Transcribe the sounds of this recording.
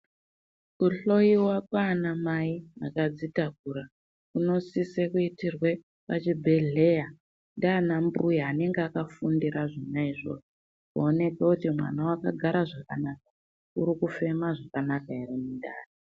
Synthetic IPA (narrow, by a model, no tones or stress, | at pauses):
kuɬo̞jiwakwaːnamaia̰kad͡zitak̚uɾa | kuno̞sisekuitirwe̞ | pat͡ʃibʱe̞ɮe̞ja | ndanambujaane̞ŋɡeakafundiɾaʐinaiʐo̰ʐo | kuone̞kekutimwa̰nawakaɡʱaɾaʐakanaka | uɾikufe̞maʐakanakaereminda̰ːri